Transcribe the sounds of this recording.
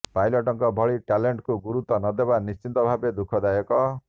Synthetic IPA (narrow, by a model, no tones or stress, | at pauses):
pajlɔʈɔŋkɔbʱɔɭiʈaleɳʈkuɡuɾut̪ɔnɔd̪ebanist͡ʃint̪ɔbʱabed̪ukʰɔd̪ajɔkɔ